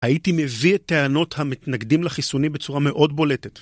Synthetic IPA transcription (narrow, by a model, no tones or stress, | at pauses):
haitime̞viet̪ːeano̞thamitnaɡdimlaχisunibet͡suʁame̞ʔo̞dbo̞le̞tet